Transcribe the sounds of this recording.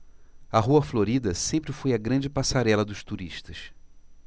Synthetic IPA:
ɐɦuɐfloɾid̪ɐsẽmpɾɪfojɐɡɾɐ̃d͡ʒɪpasaɾɛlɐd̪ʊʃt̪uɾiʃt̪ɐs

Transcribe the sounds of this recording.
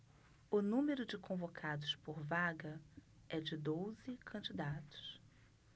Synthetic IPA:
ʊnũmeɾʊd͡ʒɪkõvokʰad̪ʊspoɾvaɡɐ | ɛd͡ʒɪd̪ozɪkʰɐ̃nd͡ʒid̪at̪ʊ̥s

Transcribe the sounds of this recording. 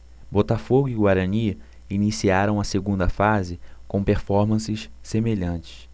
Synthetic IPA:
bot̪afoɡʊiɡwaɾɐ̃niɐ | inisiaɾɐ̃w̃ɐseɡũnd̪ɐfazɪkõw̃peɾfɔɾmɐ̃sɪʃsemeʎɐ̃t͡ʃɪ̥ʃ

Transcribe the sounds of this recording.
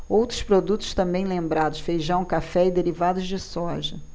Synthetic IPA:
owt̪ɾʊspɾod̪ut̪ʊ̥ʃt̪ɐ̃mbẽj̃lẽmbɾad̪ʊsfejʒɐ̃w̃ũkafɛɪd̪eɾivad̪ʊzd͡ʒɪsɔʒɐ

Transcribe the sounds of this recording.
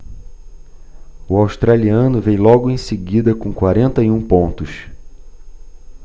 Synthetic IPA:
ʊawʃt̪ɾaliɐ̃nʊvejlɔɡʊẽj̃seɡid̪ɐkõkwaɾẽnt̪ɐiũpõnt̪ʊs

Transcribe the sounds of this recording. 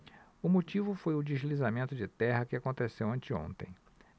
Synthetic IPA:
ʊmot͡ʃivʊfojʊd͡ʒɪʒlizamẽnt̪ʊd͡ʒɪt̪ɛɦɐkɪakõnt̪esewɐ̃nt͡ʃɪõ̰nt̪ḛ̃j̃

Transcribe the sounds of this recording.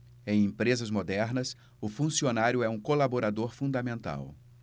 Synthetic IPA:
ẽj̃ẽmpɾezɐzmod̪ɛɾnɐs | ʊfũsionaɾjʊɛũkolaboɾad̪oɾfũnd̪amẽnt̪a̰w

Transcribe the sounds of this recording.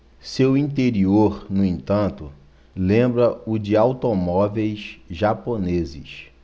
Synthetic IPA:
sewĩt̪̬eɾioɾnʊẽt̪ɐ̃nt̪ʊ | lẽbɾɐʊd͡ʒɪawt̪omɔvejsʒaponezɪ̰s

